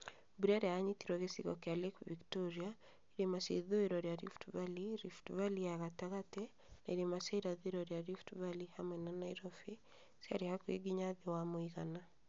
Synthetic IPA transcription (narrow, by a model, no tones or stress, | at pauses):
buɾaɾeaaɲitiɾɔɣesiɣɔ̰kealekuviktɔɾia | iɾemasḛðoeɾɔɾjaɾifu̥tuvaliɾifu̥tuvaliaɣataɣatɛ | naiɾemasaiɾaðeɾɔɾjaɾifu̥tuvalihamwɛnanaiɾɔfi | sia̰ɾihakwḛɡiɲaðewamoiɣana